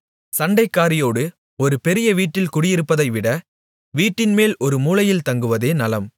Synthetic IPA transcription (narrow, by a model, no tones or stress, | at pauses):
sɐɳɖɐɪkːaːɾɪjoːɽɯ | ɔɾɯpɛɾɪjɐʋiːʈːɪlkʊɽɪjɪɾɯpːɐðɐɪʋɪɽɐ | ʋiːʈːɪnmeːlɔɾɯmuːlɐjɪlt̪ɐŋɡɯʋɐðeːnɐlɐm